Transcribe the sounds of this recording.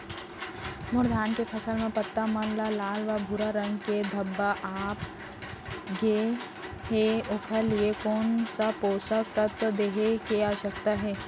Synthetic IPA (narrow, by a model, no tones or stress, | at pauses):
mʊɾd̪ʱaːnkepʰɐsəlmẽpɐt̪ːamənlalaːlʋabʱʊɾaɾɐ̃ŋɡked̪ʱɐbːaʔaːp | ɡe | ɦeʊkʰəɾliekoːnsapoːsəkt̪ɐt̪d̪eːɦekeaːʋəʃək̚t̪aɦɛː